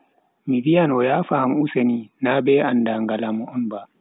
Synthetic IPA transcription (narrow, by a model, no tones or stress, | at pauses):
mivijanɔjaːfamuseninabɛandaŋɡalamɔɔnba